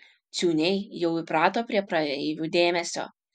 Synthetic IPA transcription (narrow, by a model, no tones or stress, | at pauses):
t̪sʲuːnʲɛɪjɛʊɪpɾɑːt̪oːpʲɾʲiɛpɾɐɛɪʋʲuːd̪ʲeːmʲɛsʲo̰ː